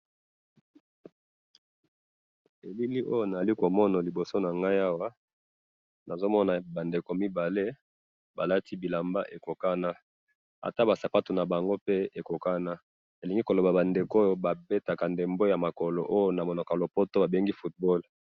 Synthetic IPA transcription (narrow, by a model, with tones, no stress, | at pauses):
e˨li˦li˦ʔo˦jo˦na˨a˨li˦ko˨mɔ˦na˨li˨bo˨so˦na˨ŋɡa˦ja˦wa˦ | na˨zo˦mɔ˦na˨ba˨nde˨ko˨mi˦ba˨le˦ | ba˨la˦ti˦bi˨la˨mba˦ʔe˨ko˨ka˦na˦ | a̰˨ta˦ba˨sa˨pa˦tu˨na˨ba˨ŋɡo˦pe˦e˨ko˨ka˦na˦ | e˨li˨ŋɡi˦ko˨lo˨ba˨ba˨nde˨ko˦jo˦ba˨be˦ta˨ka˨nde˨mbo˦ja˨ma˨ko˨lo˨ʔo˦jo˦na˨mo˨nɔ˨ka˨lo˨po˦to˦ba˨be˦ŋɡi˦fu˦t̚bɔ˦l